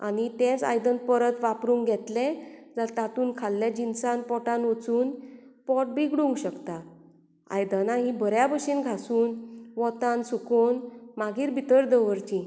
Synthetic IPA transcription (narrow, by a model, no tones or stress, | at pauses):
a̰nit̪ẽt͡sa̰jd̪ənpəɾət̪ʋapɾũːŋɡɡʱɛt̪led͡zat̪at̪uːnkʰalːjad͡ʑinsãnpɔʈãnot͡suːnpɔʈ̚biɡɽuŋɡɕəkt̪a | a̰jd̪ənaɦĩbʱəɾjabəɕinɡʱasuːnʋɔt̪ansukonmaɡʱiːɾbʱit̪əɾd̪əʋəɾt͡ɕĩ